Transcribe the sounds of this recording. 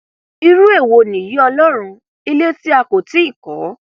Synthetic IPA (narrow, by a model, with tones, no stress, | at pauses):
i˧ɾu˦e˦˨wo˧nĩ˨ji˨˦ɔ˧lɔ˦ɾ̃ũ˧ | i˧le˦ti˦a˧ko˨ti˨˦i˦˨kɔ˨˦